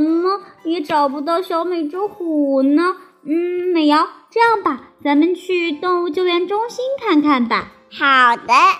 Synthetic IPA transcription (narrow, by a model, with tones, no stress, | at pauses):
nə˧jɛ˧˥ʈ͡ʂɑ˨˩ʊpu˧˥t̪̬ɑ˥ɕjo˧˥ʊme˨˩ɪʈ͡ʂu˥xu˨˩nə˧ | n̩˥˩me˧˩ɪjɑ˥˩˧ʊʈ͡ʂɤ˥˧jɑ˥˩ŋbɐ˩t͡sa˧˥nmə˧nt͡ɕʰy˥˧t̪ʊ˥˧ŋu˥˧t͡ɕjo˥˩ʊɥjɛ˧˥nʈ͡ʂʊ˥ŋɕi˥nkʰa˥˧nkʰa˥˩nbɐ˩ | xɑ˨˩ʊd̪ə˦